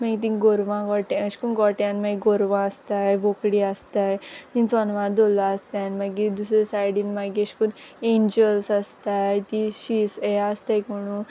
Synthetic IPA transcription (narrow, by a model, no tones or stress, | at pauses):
maɡit̪̬ĩɡoɾʋãɡɔʈəɕkunɡɔʈjãnmaɡiɡoɾʋãəst̪ajbokɽiast̪ajt̪insɔnʋãd̪olaəst̪jãnmaɡid̪usɾesajɽinmaɡiəɕkunẽɲd͡ʑəlsaəst̪ajt̪iɕisejaəst̪ajkoɽ̃u